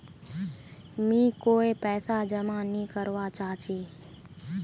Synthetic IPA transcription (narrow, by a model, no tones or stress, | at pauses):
mĩːkoːepɛːsad͡ʒəmãːnĩːkəɾʋat͡ʃaːɦt͡ʃiː